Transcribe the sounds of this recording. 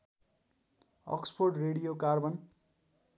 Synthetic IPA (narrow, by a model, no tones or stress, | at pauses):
ʌ̰kspʰorʈreɽijokarbʌn